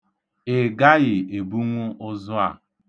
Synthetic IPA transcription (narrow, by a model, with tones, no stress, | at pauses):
e˨ɡa˦ɣɪ˨e˨bu˦ŋʷʊ˦ʔʊ˦zʊ˦a̰˨